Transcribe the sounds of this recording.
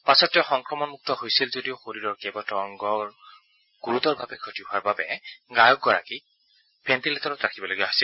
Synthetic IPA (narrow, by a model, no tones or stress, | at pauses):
pasɔtːɛxɔŋkɹɔmɔnmuk̚tɔhojsilzodioxoɹiɹɔɹkebɔtɔŋɡɔ | ɡ̥uɹutɔɹba̰bɛkʰotiɦʊaɹbabɛɡajɔk̚ɡɔɹa̰ki | b̥ʰɛntiletɔɹɔtɹakʰibɔloɡijaɦojsil